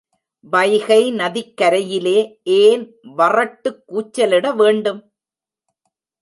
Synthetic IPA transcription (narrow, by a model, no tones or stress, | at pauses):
ʋɐɪɣɐɪnɐðɪkːɐɾɐjɪleːʔeːn | ʋɐrɐʈːɯkːuːt͡ʃːɐlɪɽɐʋeːɳɖɯm